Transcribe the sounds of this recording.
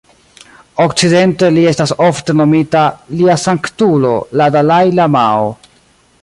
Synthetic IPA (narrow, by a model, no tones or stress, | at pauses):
okt͡side̞nte̞lie̞stasofte̞no̞mitaliasaŋktulo̞ladalajlamao